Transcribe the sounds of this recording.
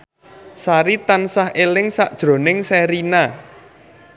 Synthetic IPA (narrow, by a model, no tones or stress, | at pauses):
saɾit̪ansahelɪŋsa̰ʔd̥ʒ̥ɾo̤nɪŋsɛɾina